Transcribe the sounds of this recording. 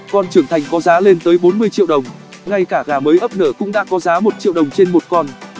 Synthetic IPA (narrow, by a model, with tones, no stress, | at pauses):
kɔ˧nt͡ɕɨ˧˩əŋt̪ʰa˨˩jŋ̟kɔ˨˦zaː˨˦le˧nt̪əː˨˦jɓo˨˦nmɨ˧əjt͡ɕḭ˧˨wɗə˨˩wŋ͡m | ŋa˧jkaː˧˩ɣaː˧˩məː˨˦jʔəː˦˥p̚nəː˧˩kʊ̰˧˥ŋ͡mɗa̰ː˧˥kɔ˨˦zaː˨˦mo˨˩t̚t͡ɕḭ˧˨wɗə˨˩wŋ͡mt͡ɕe˧nmo˨˩t̚kɔ˧n